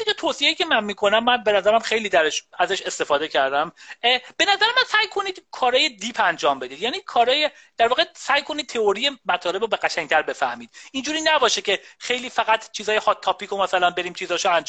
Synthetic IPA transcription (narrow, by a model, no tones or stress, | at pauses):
icʰet̪ʰoːsie̞jiːcʰe̞mænmiːkʰo̞næmːænbe̞næzæɾæmxe̞jliːd̪æɾeʃæzæʃe̞st̪e̞fɒːd̪e̞cʰæɾd̪æmb̥e̞næzæɾemænsæjkʰo̞niːd̪̥kʰɒːɾɒːje̞d̪ipʰænd͡ʒɒːmbe̞d̪iːd̪jæːniːkʰɒːɾɒːje | d̪̥æɾvɒːɣesæjkʰo̞nid̪̚t̪ʰe̞oɾijemæt̪ʰɒːle̞bobeɣæʃæŋ̚t̪ʰæɾbe̞fæhmiːd̪̥ind͡ʒuːɾiːnæbɒːʃecʰe̞xejliːfæɣæt̪ʰt͡ʃʰiːzɒːjehɒt̪ʰːɒːpʰiːkʰomæsælænbe̞ɾiːmt͡ʃʰiːzɒːʃoænd͡ʒ